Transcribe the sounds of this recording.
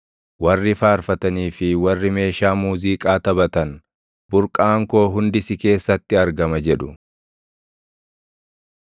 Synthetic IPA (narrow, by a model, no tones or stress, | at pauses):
wɐrːɪfaːɾfɐt̪ɐniːfɪwɐrːɪme̞ːʃaːmuːziːkʼaːt̪ɐbɐt̪ɐn | bʊɾkʼaːŋko̞ːɦʊnd̪ɪsɪke̞ːsːɐt̪ːɪɐɾɡɐmɐd͡ʒɛᶑʊ